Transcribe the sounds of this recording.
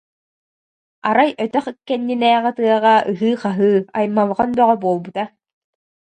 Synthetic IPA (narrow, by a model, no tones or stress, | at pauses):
aɾajœt̪œχikːɛnːinɛːʁɛt̪ɯɐʁaʔɯɦɯːqaɦɯːajmːalˠʁand̪ɔʁɔbuɔlˠbut̪a